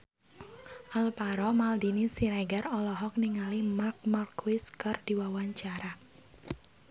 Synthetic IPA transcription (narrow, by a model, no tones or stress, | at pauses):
ʔalpaɾɔmald̪inisiɾaɡarɔlɔɦɔk̚niŋalimark̚markwɪskard̪̥iwawaɲt͡ʃaɾa